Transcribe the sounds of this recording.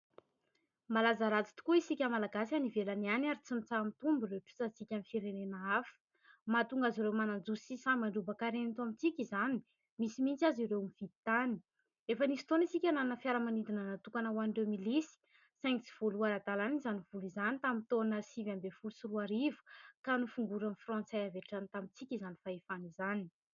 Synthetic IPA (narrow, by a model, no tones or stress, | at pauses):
malazaɾat͡si̥t̪u̥kuisikʲamalaɡasanivelanianaɾit͡simit͡samit̪umbiɾeʈ͡ʂu̥t͡sasikʲamifiɾenenaafə̥ | mat̪uŋɡaziɾewmanand͡zusisamaɳɖ͡ʐubakaɾenit̪uamit͡sikʲizani̥ | misimint͡saziɾewmiv̥it̪ani̥ | efənisi̥t̪onisikʲanannəfjaɾəmanid̪inənat̪ukanəwanɖ͡ʐemilisi̥ | sɛŋt͡si̥v̥oluaɾad̪alanizaniv̥ulizanit̪amint̪onəsivambefulusuɾuaɾivu̥kanufuŋɡuɾanfrɔ̃nt͡saaveʈ͡ʂanit̪amint͡sikʲizani̥faefanizani̥